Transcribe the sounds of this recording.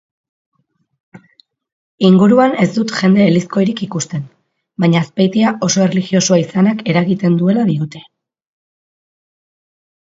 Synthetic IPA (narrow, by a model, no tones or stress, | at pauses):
iŋɡuɾuane̞zd̪ut̪ʝe̞nd̪e̞ːlisko̞jɾikikust̪e̞n | baɲaspajt̪iaʔo̞so̞e̞rliɣio̞suaisanake̞ɾaɣit̪e̞nd̪ue̞laðiut̪e̞